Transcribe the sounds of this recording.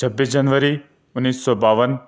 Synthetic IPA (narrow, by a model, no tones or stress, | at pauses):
t͡ʃʰəbːid͡ʒənʋəɾi | ʊnːiːsːɔbaːʋən